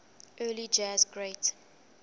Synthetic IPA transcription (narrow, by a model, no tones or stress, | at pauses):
ʔɜːlid͡ʒɛzɡɹet